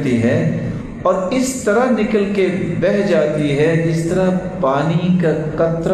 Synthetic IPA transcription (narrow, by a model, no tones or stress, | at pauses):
t̪iɦɛ̃ | ɔːɾɪst̪ɐɾaɦnɪkəlkebɛɦd͡ʒaːt̪iɦɛd͡ʒɪst̪ɐɾa | paːnikakɐt̪ɾ